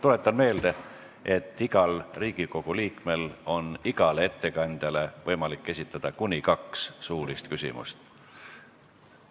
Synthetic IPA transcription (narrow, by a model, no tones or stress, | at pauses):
t̪ule̞t̪ːˑɑnme̞ːld̪̥e̞ | e̞t̪ːˑiɡ̥ɑlriːɡ̥iko̞ɡ̥uliːkme̞lo̞niɡ̥ɑlee̞t̪ːe̞kɑnʲd̪̥jɑle̞vɤ̞jmɑlikːe̞sʲit̪ːˑɑd̪̥ɑkunʲikɑkssuːɾist̪kysʲḭmṵst̪